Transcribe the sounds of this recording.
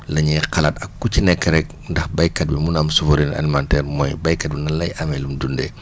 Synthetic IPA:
lɐɲijqɐlɐtɐkːucinɛkːɛɾɛk̚ndɐxbɐjkɐt̚bimunamsuvɔɾinʔa̰limantɛrmɔjbɐjkɐt̚binɐlɐjʔɐmɛlumdundɛ̰

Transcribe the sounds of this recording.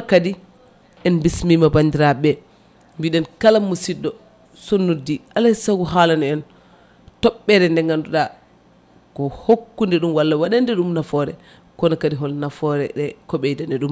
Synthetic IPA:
kadi | ɛnbismimabandiɾaɓɛ | mbiɗɛnkalamːusidːɔ | sonːudiʔalasaɡuɦalanɔɛn | tɔɓːɛɾɛndɛŋɡanduɗa | kɔhokːundɛɗumwalːawaɗandɛɗumnafɔɾɛ | kɔnakadiɦɔlnafɔɾɛ̰ɗɛkɔɓɛjdandɛɗum

